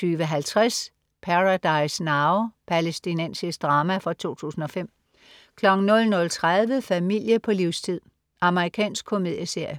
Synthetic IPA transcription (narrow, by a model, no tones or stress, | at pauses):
yːʋəɦælt͡sʰʁas | pʰæʁad̥ɑ̈ɪsnɑ̈ʊpʰælesd̥inensisd̥ʁɑ̈ːmæfɒ̽t͡sʰo̝̰ːt͡sʰṵːsn̩ɒ̽fem̰ | kʰlɒ̽ɡ̥ŋ̩nɔ̽lnɔ̽lt͡sʰʁaðˠʋəfæmil̰jəpʰɒ̽liʊst͡sʰið̞̰ˠ | ʔɑ̈məʁikʰɛ̰ːnsɡ̥̚kʰːo̝me̝ð̰ˠjəse̝ɐ̰jə